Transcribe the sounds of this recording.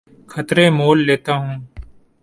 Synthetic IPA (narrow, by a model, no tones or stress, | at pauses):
kʰɐt̪ɾẽːmoːlːeːt̪aːɦũː